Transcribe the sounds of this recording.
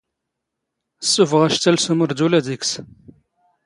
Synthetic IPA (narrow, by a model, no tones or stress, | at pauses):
sːufʁæʃt̪ːælsuməɾd̪ulæd̪iks